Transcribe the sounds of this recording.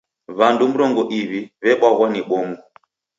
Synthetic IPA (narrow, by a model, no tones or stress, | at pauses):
βandum̩ɾɔŋɡɔʔiβiβɛɓwaɣwaniɓɔmu